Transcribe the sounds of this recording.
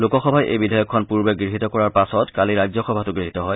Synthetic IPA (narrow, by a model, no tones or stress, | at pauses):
lokɔxɔbʱajʔḛjbidʱajɔkʰːɔnpuɹbɛɡɹiɦitɔkɔɹaɹpasɔtkaliɹajzɔxɔbʱatʊɡɹiɦitɔɦɔj